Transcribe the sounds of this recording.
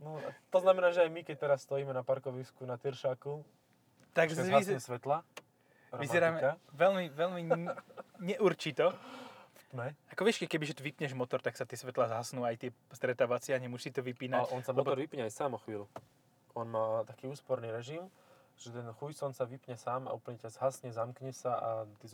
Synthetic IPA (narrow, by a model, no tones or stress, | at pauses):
nɔt̪ɔznamɛnaːʒɛajmikɛc̚t̪ɛɾasst̪ɔjiːmɛnapaɾkɔʋiskunat̪iɾʃaːku | t̪aɡzaizɛsʋɛt̪la | ɾɔʋimazɛɾaːmɛaʋɛlmiʋɛlmi | ɲɛʔuɾt͡ʃit̪ɔ | t̪mɛakɔʋɛʃkɛkɛbiʒɛt̪ɔʋipɲɛʒmɔt̪ɔɾt̪aksat̪ɪɛsʋɛt̪lazɦasnuːajt̪ɪɛst̪ɾɛt̪aːʋat͡sɪaɲɛmʊɔʃsit̪ɔʋipiːnaalɛʔɔnsamlɛɔtb̪ɔɾʋipɲɛajsaːmɔxʋiːlu | ɔnmaːt̪akiːuːspɔɾniːɾɛʒim | ʒ̥ɛt̪ɛnxujsɔnsaʋipɲɛsaːma̰ʔupl̩ɲɛcazɦasɲɛzamkɲɛsaat̪iz